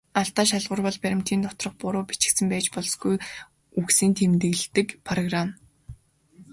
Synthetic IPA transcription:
aɬt̪aːʃ̬aɮʁʊ̆rpɔɮpæɾʲɪ̆m̥t̪ʰiːnt̪ʰɔt̪rɞ̆χpʊɾʊːpit͡ɕɪ̥̆ksɘ̆mpæːt͡ɕpɔɮsɡuj | uksiːnt̪ʰemt̪ɘ̆ɣɮt̪ɘ̆kpʰaraɣran

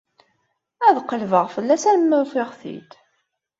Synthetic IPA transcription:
æðqəlvəʁfəlːæsænməɾfɪʁθḭt̪

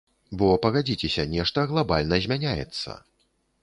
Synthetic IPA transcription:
bɔpɐɣad͡zʲit͡sʲɛsʲɐnʲɛʂt̪ɐɣlˠabalʲnɐzʲmʲanʲajɛ̰t̪sːɐ̰

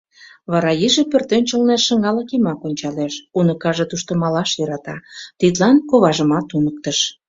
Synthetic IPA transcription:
βɑɾɑjiʒepørt̪ønʲt͡ɕəlneʃə̆ŋɑləkimɑkonʲt͡ɕɑleʃunəkɑʒet̪uʃt̪ə̆mɑlɑʃjøɾɑt̪ɑt̪it̪lɑnkoβɑʒəmɑt̪unək̚t̪əʃ

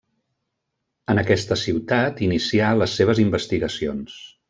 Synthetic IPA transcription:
ənəkɛst̪əsiwt̪at̪inisialəsːeβ̞əzimbəst̪iɣəsions

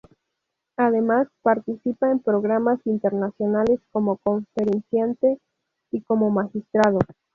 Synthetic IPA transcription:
aðe̞maspaɾt̪isipaempɾoɣɾamasint̪e̞ɾnasjo̞nale̞sko̞mo̞ko̞ɱfeɾensjant̪e̞ | iko̞mo̞maxist̪ɾað̞o

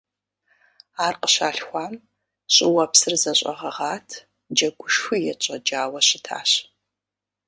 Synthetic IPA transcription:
aːrqəɕaːɬxʷaːm | ɕʼɪwɐpsɨrzɐɕʼɐ̰ʁɐʁaːtʰ | d͡ʒɐɡʷʊʃxʷɨjɛt͡ʃʼɐd͡ʒaːwɐɕɪtʰa̰ːɕ

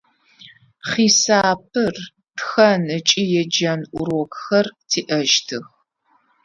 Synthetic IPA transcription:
χiːsaːp̚ʰɨr | txɐnɨt͡ʃʼijɛd͡ʒɐnʔʷʊɾɔkxɐrtʰiːʔɐʃtʰɨx

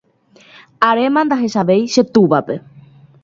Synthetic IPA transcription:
aɾe̞mãnd̪aɦe̞ʃaʋe̞jʃe̞t̪uʋape̞

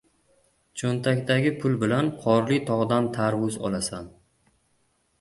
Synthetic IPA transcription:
t͡ʃʰont̪ʰakʲd̪aɡʲɪpʰʊlˠbɪlanqʰɒɾlit̪ʰɒʁd̪ant̪ʰaɾwʊzɒ̰lasan

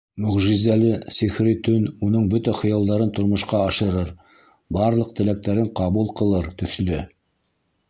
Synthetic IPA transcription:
mɵ̆ʁʒizælɘsiχɾit̪ɵnunɤɴbɵt̪æχɤ̆jɑlˠd̪ɑɾɤnt̪ŏɾmŏʃqɑɑʃɤ̆ɾɤɾ | bɑɾlˠɤq̚t̪ɘ̆læk̚t̪æɾɘɴqɑβulˠqɤ̆lˠɤɾt̪ɵ̆θlɘ

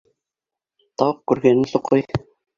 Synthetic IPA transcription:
t̪ɑwɤq̚kʉɾɡænɘnsuqʰːɤj

